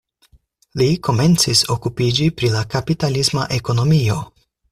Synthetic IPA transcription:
liko̞me̞nt͡siso̞kupid͡ʒipɾilakapitalisma̰ʔe̞ko̞no̞mio̞

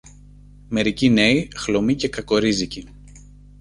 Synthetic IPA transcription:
me̞ɾicine̞ixlo̞mice̞kɐko̞ɾizici

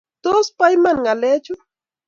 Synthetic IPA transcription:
t̪ospajmaŋalet͡ʃʊ

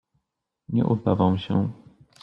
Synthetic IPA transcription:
ɲɛ̰ʔud̪avamɕɛ

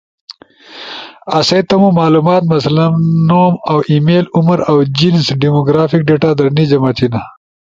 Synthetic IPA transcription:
ɐset̪ɐmumɑːlumɑːt̪mɐslɐmnoːmawʔimeːluməɾawd͡ʑinsɖimoɡɾaːfik̚ɖeːʈaːd̪ɐɾnid͡ʒɐmaːt̪ʰina

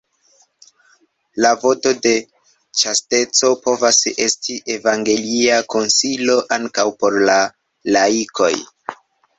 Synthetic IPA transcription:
lavo̞to̞de̞ | t͡ʃaste̞t͡so̞po̞vase̞stʰiʔe̞vaŋɡe̞liako̞nsilo̞ʔaŋkawpo̞ɾla | laikʰo̞̰j

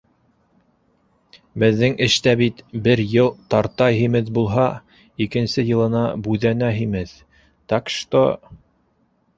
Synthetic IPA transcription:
bɘ̆ðːɘŋɘ̆ʃt̪æbit̪bɘɾjɤlˠt̪ɑɾt̪ɑjɦimɘðbulˠɦɑ | ikɘ̆nsɘjɤ̆lˠɤ̆nɑbʉðænæɦimɘð | t̪ɑkʃt̪o̰

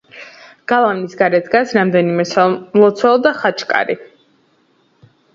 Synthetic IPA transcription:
ɡ̥alˠavnisɡaɾɛt̪ɡasɾamd̪ɛnimɛmlˠɔt̪sʰwɛlˠd̪aχat͡ʃʰkʼa̰ɾi

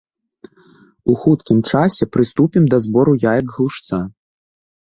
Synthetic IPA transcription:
uxut̪kʲimt͡ʂasʲɛpɾɨst̪upʲimd̪ɐzbɔɾujajɐɡɣlˠuʂt̪sa

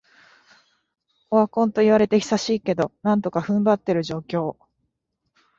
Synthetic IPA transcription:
oakõ̞nt̪o̞iβaɾe̞t̪e̞çʲi̥saɕiːke̞d̪o̞nãnt̪o̞kaɸɯ̟̃mbat̪ːe̞ɾɯ̟ʑo̞ːkʲo̞ː

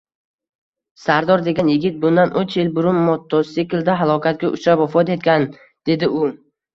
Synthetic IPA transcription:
saɾd̪ɒɾd̪e̞ɡʲanjɪɡʲɪt̪̚bʊnd̪anʔot͡ʃelbʊɾʊmːɒt̪ʰːɒsekʲɪld̪aɦalˠɒkʰʲat̪̚ɡʲaʔʊt͡ʃɾapɒfɒt̪e̞t̪̚kʲan | d̪̥e̞d̪ɪʊ

